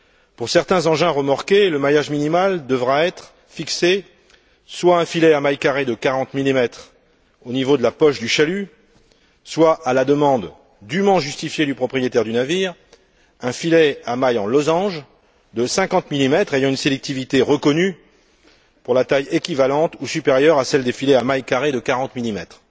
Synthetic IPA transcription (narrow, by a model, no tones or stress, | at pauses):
puʁsɛʁt̪ɛ̃zɑ̃ʒɛ̃ʁəmaʁkʲeləmajaʒminimald̪əvʁaɛt̪χ | fikse | swaɛ̃filɛamajkaʁed̪əkaʁɑ̃t̪milimɛt̪χ | onivod̪əlapɔʃd̪yʃaly | swaalad̪əmɑ̃d̪ː | ymɑ̃ʒyst̪ifjed̪ypχɔpχijet̪ɛʁd̪ynaviːʁ | ɛ̃filɛamajɑ̃lɔzɑ̃ʒ | d̪əsɛ̃kɑ̃t̪milimɛt̪χejɑ̃ynselɛk̚t̪ivit̪eʁəkɔny | puʁlat̪ajekʲivalɑ̃t̪usypeʁjœʁasɛld̪efilɛamajkaʁed̪əkaʁɑ̃t̪milimɛt̪χ